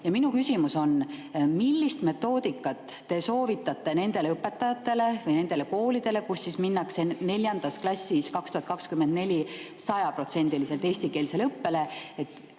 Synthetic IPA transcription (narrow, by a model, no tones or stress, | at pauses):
jɑminukysimuso̞nmilːist̪me̞t̪ːo̞ːd̪̥ikːɑt̪ːe̞so̞ːvit̪ːˑɑt̪ːˑe̞ne̞nd̪̥e̞leɤpːˑe̞t̪ːˑɑjɑt̪ːe̞le̞vɤjne̞nd̪̥e̞le̞ko̞ːlid̪̥e̞le̞kusːisminːɑkse̞ne̞lʲjɑnd̪̥ɑsklɑsʲːiskɑkst̪uhɑt̪̚kɑkskymend̪̥nelʲisɑjɑpro̞t̪se̞nʲd̪̥iliselt̪e̞ːsʲt̪ike̞ːlise̞leɤpːe̞le̞et̪ːˑ